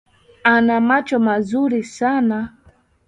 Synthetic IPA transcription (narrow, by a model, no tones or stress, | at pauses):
anamat͡ʃɔmazuɾisana